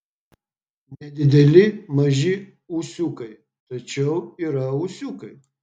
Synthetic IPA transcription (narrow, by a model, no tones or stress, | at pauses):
nʲɛd̪ʲɪd̪ʲɛlʲɪmɐʒɪ | usʲukɐɪ | t̪ɐt͡ʃʲɛwiːɾɐusʲuːkɐj